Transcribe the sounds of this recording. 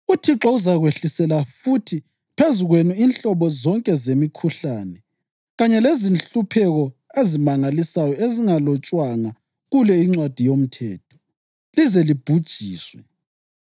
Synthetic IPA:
utʰiǁɔuzaɣweɬisɛlafutʰi | pʰezuɣwenuinɬɔβɔzɔŋkʼɛzemikʰuɬaːnɛ | ɣaɲɛlezinɬupʰɛɣɔezimaŋalisajɔeziŋalɔt͡ʃʼwaŋa | ɣulɛiŋ͡ǀwad̥ʱijom̩tʰɛːtʰɔ̥ | lizɛlib̥ʱud̥ʒ̥ʱiːswɛ

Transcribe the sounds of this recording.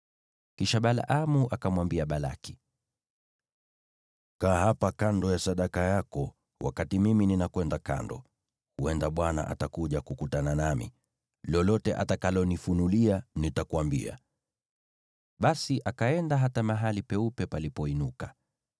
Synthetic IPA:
kiʃaɓala̰ʔamuʔakamwambiaɓala̰ki̥ | kaːhapakandɔjasaɗakajakɔ | wa̰katimimininakwɛndaka̰ndɔ̰ | huɛndaɓwana̰ʔa̰takuʄakukutananamḭ | lɔlɔtɛʔa̰takalɔnifunulianitakuambḭa̰ | ɓasiʔakaɛndaɦatamaɦalipɛupɛpalipɔinuka

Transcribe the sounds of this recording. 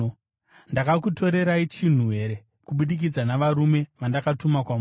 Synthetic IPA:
ndakakutʰo̞ɾe̞ɾait͡ʃin̤uɦe̞ɾe̞ | kuɓuɗik̬id͡zanaʋaɾume̞ʋandakatumakwam

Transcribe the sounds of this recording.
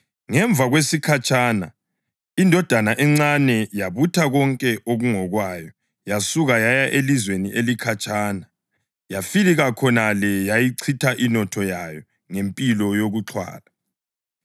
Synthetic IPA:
ŋɛɱb̪vʱaɣwesikʰat͡ʃʼana̰ | indʱɔd̥ʱanaʔɛŋ͡ǀanɛjaβutʰaɣɔŋkʼɛʔoɣuŋɔɣwaːjɔ | jasuɣajajaʔelizweniʔelikʰat͡ʃʼaːna | jafiliɣakʰɔnalɛjajiǀʰitʰaʔinɔtʰɔjajɔ | ŋempʼilɔjoɣuǁʰwa̰ːla

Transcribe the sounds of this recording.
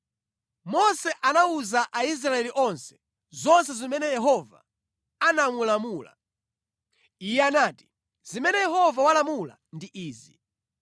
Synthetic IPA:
mɔsɛʔanauzaʔais̬ɾaɛliʔɔnsɛ̥ | zɔnsɛzimɛnɛjɛɦɔva̰ | anamulamuːla̰ | ijɛanaːti̥ | zimɛnɛjɛɦɔvawalamula̰ndiʔiːzi

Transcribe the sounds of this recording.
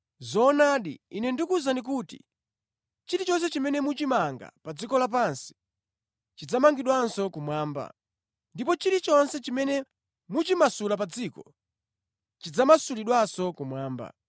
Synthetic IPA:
zɔnaːɗḭinɛndikuzandik̬uːtḭ | t͡ʃiɾit͡ʃɔns̬ɛt͡ʃimɛnɛmut͡ʃimaŋɡa̰pad͡zikɔlap̬ansi̥ | t͡ʃid͡zamaŋɡiɗwansɔkumwaːmba̰ | ndipɔt͡ʃiɾit͡ʃɔnsɛt͡ʃimɛnɛ | mut͡ʃimasulapad͡ziːkɔ | t͡ʃid͡zamasuliɗwasɔkumwaːmba̰

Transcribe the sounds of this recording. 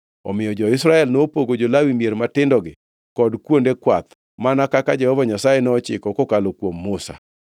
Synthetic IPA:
ɔ̰mɪjɔd͡ʒɔɪsɾaɛlnopoɡod͡ʒolawimjeɾmatɪndɔɡɪ | kɔdkwondekwat̪ | manakakad͡ʒɛhɔvaɲasajenɔɔt͡ʃɪkɔkɔkalokwomːosa̰

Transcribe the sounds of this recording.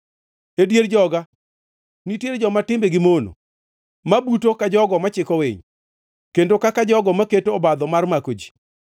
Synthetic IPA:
edjeɾd͡ʒɔɡa | nitjeɾd͡ʒɔmatɪmbeɡɪmono̰ | mabutokad͡ʒɔɡɔmat͡ʃɪkɔwḛɲ | kendokakad͡ʒɔɡɔmaketoːbad̪ɔmarmakod͡ʒi̥

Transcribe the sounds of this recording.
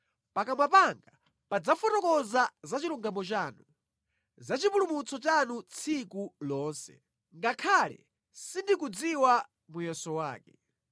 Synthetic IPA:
pakamwapaŋɡa | pad͡zafɔtɔkɔzazat͡ʃiɾuŋɡamɔt͡ʃaːnu | zat͡ʃipulumut͡sʰɔt͡ʃanut͡sʰikulɔːnsɛ̰ | ŋɡakʰalɛ̰ | sindikud͡ziwa | mujɛsɔwaːkɛ

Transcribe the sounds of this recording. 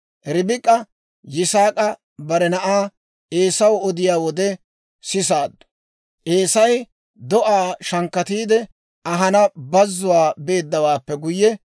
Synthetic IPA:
ʔɾɪbɪkʼːɐ | jɪsaːkʼɐ | bɐɾɛnɐʔaː | ʔe̞ːsɐwɔd̪ɪjaːwɔd̪ɛ | sɪsaːd̪ːɔ̥ | ʔeːsɐj | d̪ɔʔaːʃɐŋkːɐt̪iːd̪ɛ | ɐɦɐnɐbɐzːʊwaːbe̞ːd̪ːɐwaːpːɛɡʊjːɛ

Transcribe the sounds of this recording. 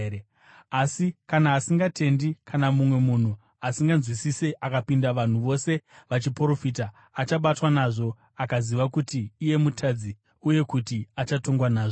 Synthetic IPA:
asikanaːsiŋɡatʰe̞ndikʰanamumwe̞mun̤u | asiŋɡanzwisiseʔakapindaʋan̤uʋo̞se̞ʋat͡ʃipro̞fiːtaː | t͡ʃaɓatwanaʐo̞ | akaziʋakutiːje̞mutʰad͡zi | uje̞kutiat͡ʃato̞ŋɡwanaːʐo

